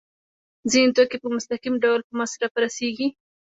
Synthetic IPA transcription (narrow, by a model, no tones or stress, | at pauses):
zint̪okepəmʊst̪aqimɖawlpəmasɾapəɾaseɡi